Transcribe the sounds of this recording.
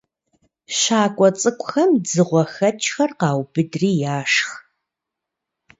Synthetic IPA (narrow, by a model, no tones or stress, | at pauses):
ɕaːkʷʼɔt͡sʼɨkʷʼxɐmd͡zɨʁʷɔxɐt͡ʃʰʼxɐrqɑːwbɨdriːjaːʂx